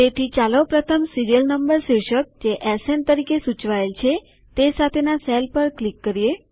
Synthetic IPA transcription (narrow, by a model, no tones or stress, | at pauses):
t̪et̪ʰit͡ʃaləpɾət̪ʰəmsiɾijəlnəmbəɾsiwʃək̚d͡ʒeʔɛsent̪əɾikesut͡ʃʋaelt͡ʃʰe | t̪esat̪ʰenaselpəɾklikːəɾije